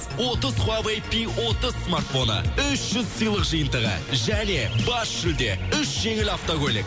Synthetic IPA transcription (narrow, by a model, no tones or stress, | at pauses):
wo̞t̪əzχwavejpiwo̞t̪əzsmart̪fo̞nə̰ʏʃʒ̥ʏzsijlˠəqʒəjənd̪əʁə̰ʒæne̞bɑsʒ̥ɪld̪e̞̰ʏʃʒ̥e̞ŋɪlaft̪oɡʲolʲḭk̚